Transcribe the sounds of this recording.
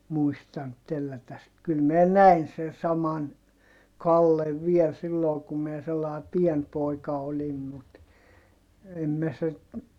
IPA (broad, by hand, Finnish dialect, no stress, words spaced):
muistɑnt telːætæs sit kyl minæ næin sen sɑmɑn kɑlːeʋ ʋiɛl silːoː kum miɛ selːɑe pien poˑikɑ olim mut em mæ sit